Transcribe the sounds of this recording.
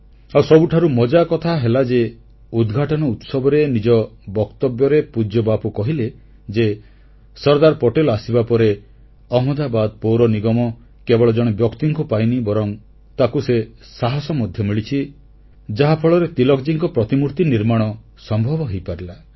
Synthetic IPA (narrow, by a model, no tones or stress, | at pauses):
awsɔbuʈʰaɾumɔd͡ʒakɔt̪ʰaɦelad͡ʒe | ud̪ɡʱaʈɔnɔut̪sɔbɔɾenid͡ʒɔbɔkt̪ɔbjɔɾepud͡ʒjɔbapukɔɦile | d͡ʒe | sɔɾd̪aɾpɔʈelɔasibapɔɾe | ɔɦmɔd̪abad̪̚powɾɔniɡɔmɔ | kebɔɭɔd͡ʒɔɽ̃ebjɔkt̪iŋkupajnibɔɾɔŋ | t̪akusesaɦɔsɔmɔd̪ʱjɔmiɭit͡ʃʰi | d͡ʒaɦapʰɔɭɔɾet̪ilɔkd͡ʒiŋkɔpɾɔt̪imuɾt̪iniɾmaɽ̃ɔ | sɔmbʱɔbɔɦejpaɾila